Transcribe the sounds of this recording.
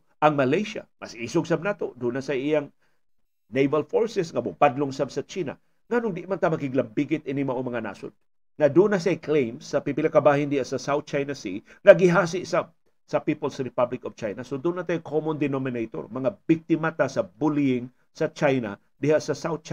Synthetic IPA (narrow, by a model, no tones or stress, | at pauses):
ʔɐŋmɐlajʃa̰mɐsiːsʊɡsab̚nat̪od̪unasɐʔijaŋ | nejvɐlfoɹsɛsŋɐbʊpad̪loŋsabsɐt͡ʃiːna̰ | ŋanʊŋd̪ɪʔmant̪amɐɡɪɡlɐmbiɡɪt̪̚ʔɪnɪmɐʔomɐŋana̰ːsʊ̰n | ŋɐd̪unasajklejmsɐpipɪlakabaːhɪnd̪ɪhaʔsɐsawθ̚t͡ʃajnasiŋɐɡɪɦaːsɪʔsa | sɐpiːpolsɾɪpablɪkov̥t͡ʃajnasod̪ʊnat̪ajkʰomond̪ɛnomɪnejt̪o̰ɾmɐŋabɪk̚t̪ɪmat̪asɐbʊliɪŋ | sɐt͡ʃajna̰ | d̪ɪhaʔsɐsawt̪̚t͡ʃa